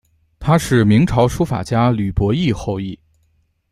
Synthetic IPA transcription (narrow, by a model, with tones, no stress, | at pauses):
t̪ʰa˥ʂɻ̩˥˩mi˧˥ŋʈ͡ʂʰɑ˧˥ʊʂu˥fa̰˨˩t͡ɕja˥ly˨˩pwɔ˧˥i˥˧xo˥˧ʊi˥˩